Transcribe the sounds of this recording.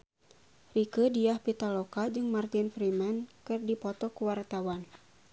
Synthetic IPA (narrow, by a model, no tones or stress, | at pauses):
rikədiahpit̪alɔkad͡ʒɨŋmart̪ɪnfɾimankɨrdipɔt̪ɔkuwart̪awan